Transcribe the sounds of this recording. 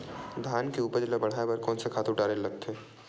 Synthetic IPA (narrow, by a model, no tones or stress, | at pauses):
d̪ʱaːnkeuːpəɾd͡ʒɪlabɐɽ̤aːebɐɾkɔːnsekʰaːt̪ʊʈaːɾelɐɡ̚t̪ʰeː